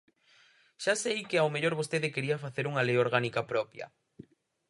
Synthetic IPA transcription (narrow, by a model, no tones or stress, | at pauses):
ʃasejkɪawmeʎoɾβost̪eðɪkeɾiafaθeɾuŋalejoɾɣanikapɾɔpjɐ̰